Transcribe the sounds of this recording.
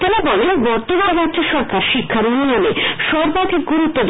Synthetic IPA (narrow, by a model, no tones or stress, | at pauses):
t̪enabɔlenbɔɾt̪obʱaɾadd͡ʑoʃɔɾkaɾʃikʰːaɾonunaneʃɔɾbaɡeɡuɾut̪ːod̪